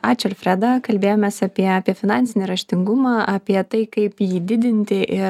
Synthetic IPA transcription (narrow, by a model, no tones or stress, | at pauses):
ɑːt͡ʃʲɛɾfʲɾʲæd̪ɐkɐlʲbʲeːjoːmʲeːsɐpʲiɛɐːpʲiɛfʲɪnɑːnʲtsʲɪnʲɪɾɐʃʲt̪ʲɪŋɡʊmɑːʔɐpʲiɛt̪ɐɪkɐɪpjiːd̪ʲɪd̪ʲɪnʲt̪ʲɪʔɪ